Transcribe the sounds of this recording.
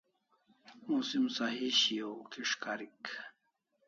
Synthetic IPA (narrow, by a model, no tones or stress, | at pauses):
musimsaɦiɕijokiʂkaɾik